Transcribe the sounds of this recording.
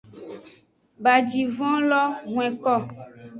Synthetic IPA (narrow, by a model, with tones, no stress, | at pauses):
ba˨d͡ʒi˨vɔ̃˦lɔ˦ŋw̃ɛ̃˨kɔ˦˨